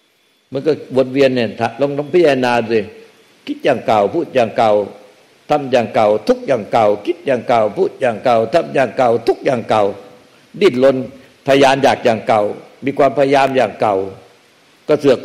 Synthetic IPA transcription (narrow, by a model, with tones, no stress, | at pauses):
mɯ˧˦kɔ˧˩bu˨˧˦ən̚wi˧ənː˧˩˨nt̪ʰa˧˩ʔlo˧˥˦ŋlo˧˥˦ŋpʰaː˦˥˩jaː˧naː˧du˧˩j | kʰi˦˥t̪̚jaː˨˩ŋka˨˩wpʰuː˧˥˩t̪̚jaː˨˩ŋka˨˩w | t̪ʰa˧˩mjaː˨˩ŋka˨˩wt̪ʰu˦˥k̚jaː˨˩ŋka˨˩wkʰi˦˥t̪̚jaː˨˩ŋka˨˩wpʰuː˧˥˩t̪̚jaː˨˩ŋka˨˩wt̪ʰa˧˨mjaː˨˩ŋka˨˩wt̪ʰu˦˥k̚jaː˨˩ŋka˨˩w | diː˧˩t̪̚lo˧n | pʰa˧a˧jaː˧njaː˨˩k̚jaː˨˩ŋka˨˩wmiː˧kʰwaː˧mpʰa˧ja˧jaː˧mjaː˨˩ŋka˨˩w | kɔ˧˩sɯ˨˩ə˦